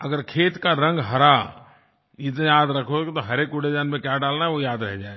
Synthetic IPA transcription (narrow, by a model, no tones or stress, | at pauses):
ɐɡəɾkʰeːt̪kaɾɐ̃ŋɡɦɐɾa | ɪt̪nejaːd̪ɾɐkʰot̪oɦɐɾeːkʊɽed͡ʒaːnmẽkjaɖaːlnaɦɛʋojaːd̪ɾɛɦd͡ʒaːe